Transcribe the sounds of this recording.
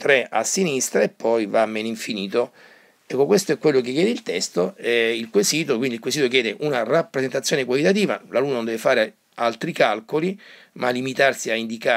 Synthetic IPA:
t̪ɾɛa̰sːinist̪ɾaepːɔjvamːɛːniɱfiniːt̪o | ɛkːokwest̪oɛkːwelːok̟ekːjɛːd̪eilt̪ɛst̪oɛilkwesiːt̪okwind̪ilkwesiːt̪okjɛːd̪eʔunarapːɾezent̪at̪sjoːnekwalit̪at̪̬iːva̰laluːnanonɛvefaːɾe | alt̪ɾikalkoli | malːimit̪arsiaind̪ika

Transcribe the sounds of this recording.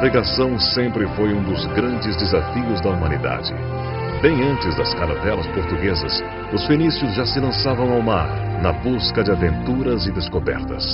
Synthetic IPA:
viɡasɐ̃w̃sẽmpɾɪfojũd̪ʊzɡɾɐ̃nd͡ʒɪzd̪ezafiʊzd̪ɐumɐ̃nid̪a̰d͡ʒɪ | bẽj̃ɐ̃nt͡ʃɪzd̪ɐskaɾɐt̪ɛlɐspoɾt̪uɡezɐ̰s | ʊsfenisjʊzʒasɪlɐ̃savɐ̃w̃awmaɾ | nɐbuskɐd͡ʒɪavẽnt̪uɾɐzɪd̪eskobɛ̰ɾt̪ɐ̰s

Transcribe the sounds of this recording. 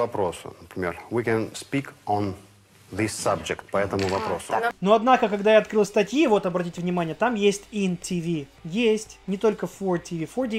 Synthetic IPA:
vɐpɾosʊ̰nəpɾʲɪmʲḛrwikʲɛ̃nspʲikən | ðisːab̚d͡ʒɪkt̪̚pɐɛt̪əmʊvɐpɾosʊnoɐd̪nakəkɐɡd̪ajaɐt̪kɾɨlˠst̪ɐtʲjivo̞t̪ɐbɾɐtʲitʲvnʲɪmanʲɪjət̪amjesʲtʲintʲivʲijesʲtʲnʲɪt̪o̞lʲkəfortʲɪvʲifortʲi

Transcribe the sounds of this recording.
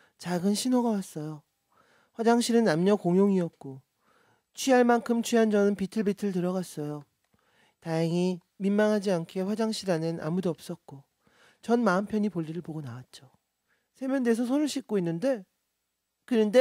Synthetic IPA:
t͡ɕaɡɯnɕʰinoɡawas͈ʌjo | ɸwad͡ʑaŋɕʰiɾɯnːamɲʌkoŋjoŋiʌt̚k͈o | t͡ɕʰɥiɦaɭmankʰɯmt͡ɕʰɥiɦand͡ʑʌnɯnpitʰɯɭbitʰɯɭtɯɾʌɣas͈ʌjo | tajaŋi | minmaŋɦad͡ʑiankʰe̞ɸwad͡ʑaŋɕʰiɾanɯnʔa̰mudoʌp̚s͈ʌt̚k͈o | t͡ɕʌnmaɯmpʰjʌɲipoʎːiɾɯɭpoɡonawat̚t͡ɕ͈o | sʰe̞mʲjʌndesʰʌsʰonɯɭɕ͈ʰik̚k͈oinːɯnde̞ | kɯnɯnde

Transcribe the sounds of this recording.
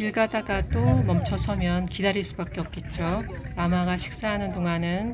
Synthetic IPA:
iɭɡadaɡad͈omʌmt͡ɕʰʌsʰʌmjʌnkidaɾiɭs͈ubak͈eʌk̚k͈e̞t̚t͡ɕ͈onamaɡaɕʰi̥k̚s͈aɦanɯndoŋanɯn

